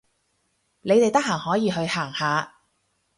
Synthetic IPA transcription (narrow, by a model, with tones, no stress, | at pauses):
ne˨˧jt̪e˨jt̪ɐ˥k̚haː˨˩ŋhɔː˨˥jiː˨˧ɦɵ˧ɥhaː˨˩ŋhaː˨˧